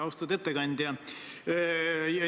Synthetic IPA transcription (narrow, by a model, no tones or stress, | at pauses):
ɑwst̪ut̪et̪ːeɡɑnʲd̪ʲjɑ | jɑ